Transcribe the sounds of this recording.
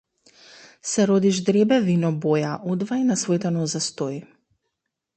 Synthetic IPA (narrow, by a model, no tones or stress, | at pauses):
sɛɾɔd̪iʒd̪ɾɛbɛvinɔbɔjaʔɔd̪vainasvɔjt̪ɛnɔzast̪ɔji